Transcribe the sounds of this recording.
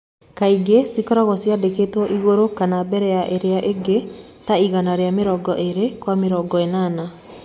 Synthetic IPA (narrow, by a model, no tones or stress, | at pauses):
kaiɡesikɔɾɔɣɔsjadeketwɔʔiɣoɾokanabɛɾɛjaʔeɾeaʔeɡe | taiɣanaɾeameɾɔːɡɔʔeɾekwameɾɔːɡɔenana